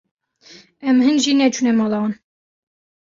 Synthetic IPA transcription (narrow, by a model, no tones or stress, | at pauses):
ɛmhɨnʒinɛt͡ʃʰunɛmɑlɑn